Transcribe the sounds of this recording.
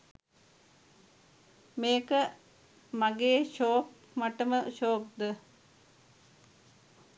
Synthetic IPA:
meːkə | maɡeːʃoːk | maʈəməʃoːk̚d̪ə

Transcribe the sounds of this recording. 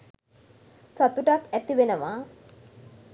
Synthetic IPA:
sat̪uʈakæt̪iʋenəʋaː

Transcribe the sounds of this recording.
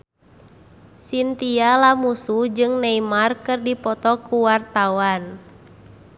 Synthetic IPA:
sint̪ialamusud͡ʒɨŋnɛimarkɨrdipɔt̪ɔkuwart̪awan

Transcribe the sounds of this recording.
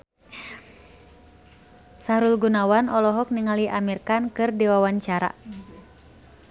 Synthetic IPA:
sahɾulɡunawanɔlɔɦɔk̚niŋaliʔamirkankɨrdiwawaɲt͡ʃaɾa̰

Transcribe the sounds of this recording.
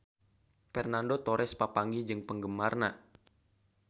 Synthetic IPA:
fɛrnandot̪oɾʔɛspapaŋɡid͡ʒɨŋpəŋɡəmarna

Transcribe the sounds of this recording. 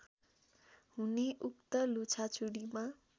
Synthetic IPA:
huneʔukt̪ʌlut͡sʰat͡sʰuɽima

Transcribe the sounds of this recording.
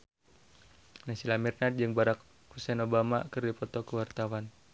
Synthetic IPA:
nasilamirnad̚d͡ʒɨŋbaɾak | husɛnobama̰kɨrdipɔt̪ɔkəwart̪awan

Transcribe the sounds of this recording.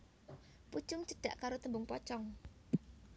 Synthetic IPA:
pu̥t͡ʃʊŋt͡ʃəɖ̥a̤ʔkaɾot̪əmbʊŋpɔt͡ʃɔŋ

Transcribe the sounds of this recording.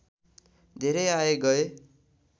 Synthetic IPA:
d̪ʱeɾʌjaeɡʌe

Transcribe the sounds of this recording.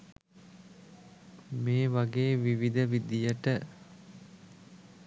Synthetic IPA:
meːʋaɡeːʋiʋid̪əʋid̪ijəʈə

